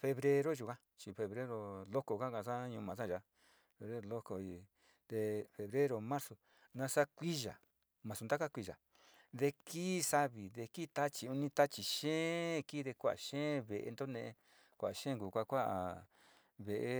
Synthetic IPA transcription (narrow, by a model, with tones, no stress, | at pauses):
fe˧βɾe˧ɾo˦ʒu˧kã˦ | t͡ʃi˧fe˧βɾe˦ɾo˧lo˦ko˧ka˦kã˧sa˦ɲũ˧mã˨sã˦˨ʒa˧ | fe˧βɾe˦ɾo˧lo˦ko˧i˧˨ | d̪e˧fe˧βɾe˦ɾo˧˨mã˦ɾso˧˨ | nã˧sa˦kʷi˦ʒa̰˨ | mã˨su˧nd̪a˦ka˦kʷi˧ʒa̰˨ | ðe˧kiː˦˧sa˦βi˨ðe˧ki˦t̪a˦t͡ʃi˨u˧nĩ˧t̪a˦t͡ʃi˨ʃẽː˦˧kiː˦ðe˧kʷa˦ʔa̰˨ʃẽː˦βe˨ʔḛ˧nd̪o˦nẽ˧ʔe˧ | kʷa˨ʔa˨ʃẽː˦ŋku˨kʷa˦kʷa˦ʔa̰˨ | βe˨ʔe˧˦